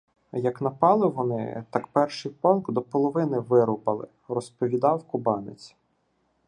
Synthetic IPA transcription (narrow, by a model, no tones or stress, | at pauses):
jɐknɐpɑlˠɪʋɔnɪ̰t̪ɑkpɛrʃɪjpɔlˠɡd̪ɔpɔlˠɔʋɪnɪʋɪɾʊpɐlˠɪ̰ | rɔspɔʋʲid̪ɑwkʊbɑnɪt͡sʲ